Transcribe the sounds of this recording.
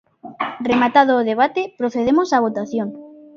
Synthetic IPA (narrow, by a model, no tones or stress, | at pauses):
remat̪aðoːðeβ̞at̪epɾoθeðemosaβ̞ot̪aθjoŋ